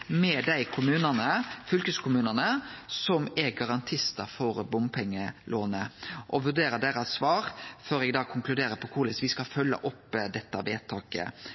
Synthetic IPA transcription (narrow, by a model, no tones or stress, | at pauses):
mɛd̪æɪkʰʊmʉːnənəfʏlkəskʰʊmʉːnənəsɔmɛɡɑʁɑnt̪ʰɪst̪əɾfɔɾbʊmpʰɛŋːəlʔoːnəʔɔʋʉɖ̪eːɾəd̪eːɾɑsʋɑːɾføːɾɛɡd̪ɑːkʰʊŋklʉd̪eːɾəpʰɔkʰʊːlɪsʋɪskɑlfœlːə̰ʔɔpːd̪ɛt̪ːəʋeːt̪ʰɑːkə̰